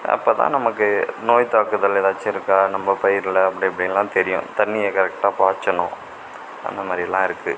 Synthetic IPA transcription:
ɐ̰pːoːt̪ã̰ːnɐmɐkːɯnoːjt̪aːkːɯðɐleːðaːt͡ʃːɯɪɾɯkːaːnɐmbɐpɐjɪɾlɐpːɐɽɪɐpːɐɽɪjɐlːãːt̪ɛɾɪjʊ̰̃t̪ɐɳːɪjɐkɐɾɛk̚ʈaːpaːt͡ʃːɐɳʊ̃ | ʔɐ̰nd̪ɐmaːɾɪɛlːã̰ːɪɾɯkːɯ

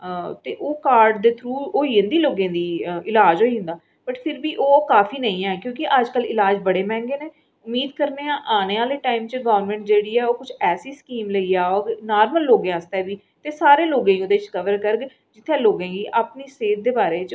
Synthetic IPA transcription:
t̪eːʔoːkaːɾɖd̪eːt̪ʰɾuːoːiːʊ̃nd̪iːloːɡẽːd̪iːɪlaːd͡ʒɦoːiːɦʊ̃nd̪aː | b̥əʈpʰɪɾbiːʔoːkaːpʰiːnəĩːɛːɛkjõːkɪʔəd͡ʒkəlɪlaːd͡ʒbəɽeːmɛ̃ːŋɡeːneː | ʊmːiːd̪̚kəɾneːãːʔaːneːʋaːleːʈaːimt͡ʃɡɔːʋəɾmɛ̃ːɳʈd͡ʒeːɽiːɛːoːkʊt͡ʃʰɛːsiːskiːmləiːaːoːnaːɾməlːoːɡãːəst̪ɛːʋiː | t̪eːsaːɾeːloːɡãːoːd̪eːɪt͡ʃkəʋəɾkəɾɡ | d͡ʒɪt̪ʰːẽːloːɡẽːɡiːʔaːpniːseːt̪̚d̪eːbaːɾeːt͡ʃ

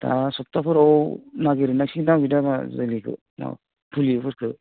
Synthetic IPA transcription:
ta̰sɔp̚tapʰɯɾɔwnaɡeɾinasinawɡidamazɯlikʰɯ̰ | na̰ | pʰulipʰɯɾkʰɯ

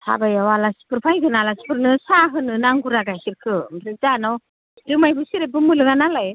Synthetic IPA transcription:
ha̰bajawalasi̥pɯɾpʰajɡɯnalasi̥pɯɾnɯsaɦɯnɯnaŋɡuɾaɡajsiɾkʰɯmɾɯzanaw | dɯmajbɯsiɾebɯmɯlɯɡanalaj

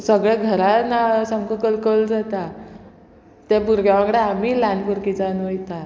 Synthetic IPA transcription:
səɡɭɛɡʱəɾanasəmkəkəlkəld͡zat̪a | t̪ɛpuɾɡjaʋãɡɽeam̤iːlanpuɾkid͡zanojt̪a

